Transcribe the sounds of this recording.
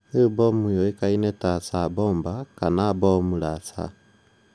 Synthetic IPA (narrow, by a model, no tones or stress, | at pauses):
ebomujoikainetat͡saboːmbakanabomulat͡sa̰